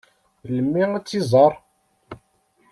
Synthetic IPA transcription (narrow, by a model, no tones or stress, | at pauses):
ləmːiæt͡sːizˤɑɾˤ